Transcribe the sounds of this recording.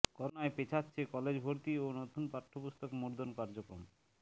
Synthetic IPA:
kɔɾonaepet͡ɕʰatːɕʰekɔled͡ʑbʱoɾt̪ionot̪ʰunpaʈʰːopust̪okmuɾd̪onkaɾd͡ʑokɾo̰m

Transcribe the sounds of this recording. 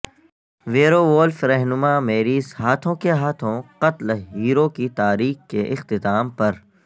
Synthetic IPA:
ʋeːɾoʋoːlfɾɛɦnʊmameːɾiːzɦaːt̪ʰõkeɦaːt̪ʰõqɐt̪lɦiːɾokit̪aːɾiːkkeʔɪxt̪ɪt̪aːmpɐɾ

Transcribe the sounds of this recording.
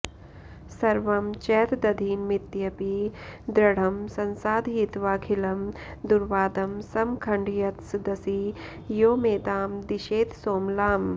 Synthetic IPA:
sɐɾʋɐmt͡ʃɛːt̪d̪ɐd̪ʱiːnmit̪jɐpiːd̪ɾɐɽ̤ɐmsɐnsaːd̪ʱɦiːt̪ʋaːkʰilɐm | d̪uɾʋaːd̪ɐmsɐmkʰɐɳɖijɐt̪sd̪ɐsi | joːmeːd̪aːmd̪iʃeːt̪soːmlaːm

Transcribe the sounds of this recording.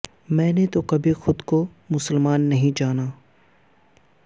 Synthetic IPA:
mɛ̃ːnet̪okɐbʱixʊd̪ko | mʊsəlmaːnːɐɦĩd͡ʒaːnaː

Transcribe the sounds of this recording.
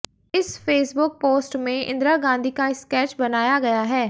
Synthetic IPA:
ɪsfeːsbʊk̚poːsʈmẽʔɪ̰̃nd̪ɾaɡãːnd̪ʱikaɪskɛːt͡ʃbɐnaːjaɡɐjaɦɛː

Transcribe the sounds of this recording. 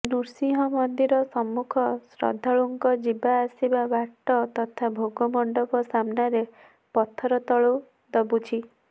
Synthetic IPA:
nuɾsiɦɔmɔnd̪iɾɔsɔmːukʰɔsɾɔ̰d̪ʱɔɭuŋkɔd͡ʒibaːsibabaʈːɔt̪ɔt̪ʰabʱoɡɔmɔɳɖɔkɔsamnaɾe | pɔt̪ʰːɔɾɔt̪ɔɭu | d̪ɔbut͡ʃʰi

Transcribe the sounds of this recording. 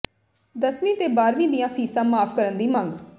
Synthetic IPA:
d̪əsʋĩːt̪eːbaːɾʋĩːd̪ɪjãːpʰiːsãːmaːpʰkəɾənd̪iːmə̃ŋɡ

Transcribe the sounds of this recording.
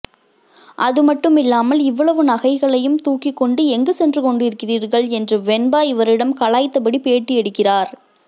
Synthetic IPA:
ʔɐðɯmɐʈːɯmɪlːaːmɐlɪʋːɐɭɐʋɯnɐɣɐɪɣɐɭɐjɯmt̪uːkːɪkːɔɳɖɯɛŋɡɯsɛndrɯkɔɳɖɯɪɾɯkːɪriːɾɣɐɭɛndrɯʋɛnbaːɪʋɐɾɪɽɐmkɐɭaːjt̪ːɐpɐɽipeːʈːiɛɽɯkːɪraːɾ

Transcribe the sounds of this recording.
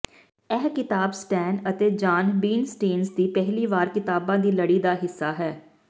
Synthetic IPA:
ɛːɦkɪt̪aːbsʈɛːnət̪eːd͡ʒaːnbiːnsʈeːnsd̪iːpɛɦliːʋaːɾkɪt̪aːbãːd̪iːləɽiːd̪aːɦɪsːaːɦɛː

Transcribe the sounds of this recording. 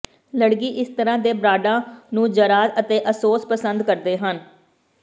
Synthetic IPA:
ləɽkiːʔɪst̪əɾãːd̪eːbɾaːɖãːnũːd͡ʒəɾaːd̪ət̪eːʔəsoːspəsənd̪kəɾd̪eːɦən

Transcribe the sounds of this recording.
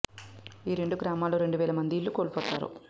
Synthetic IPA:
iːɾe̞ɳɖuɡɾaːmaːloːɾe̞ɳɖuʋɛːlɐmɐnd̪iːɭːukoːɭupɔːt̪a̰ːɾṵ

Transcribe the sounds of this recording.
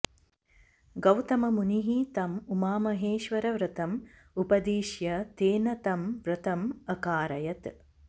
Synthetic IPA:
ɡɐwt̪ɐmɐmuniɦit̪ɐmumaːmɐɦeːʃʋɐɾɐʋɾɨt̪ɐm | upɐd̪iːʃjɐt̪eːnɐt̪ɐmʋɾɨt̪ɐmɐkaːɾɐjɐt̪

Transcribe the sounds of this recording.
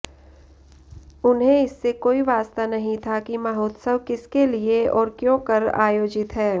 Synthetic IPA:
ʊnɦẽɪsːekoːiʋaːst̪anɐɦĩt̪ʰakimaɦoːt̪səʋkɪskelieɔːɾkjõːkɐɾa̰ːjoːd͡ʒɪt̪ɦɛː

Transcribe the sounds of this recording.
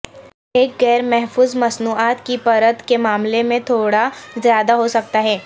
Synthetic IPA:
eːk̚ɡɛːɾmɛɦfuːzmɐsnuːaːt̪kipɐɾət̪kemaːmlemẽt̪ʰoːɽazjaːd̪aɦosɐk̚t̪aɦɛː

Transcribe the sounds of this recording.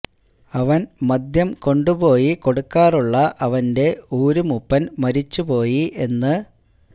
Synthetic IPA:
ɐʋɐnmɐd̪jɐmko̞ɳɖubo̞ːjiko̞ɽukːaːruɭːɐʔɐʋɐnde̞uːɾumupːɐnmɐɾit͡ɕːupo̞ːjiʔe̞nːɨ

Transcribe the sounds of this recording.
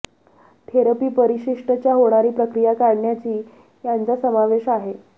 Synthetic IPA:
t̪ʰeɾəpiːpəɾiɕiʂʈət͡ɕjaɦoɽ̃aɾiːpɾəkɾijakaɽɳjat͡ɕiː | jant͡sasəmaʋeɕaɦe

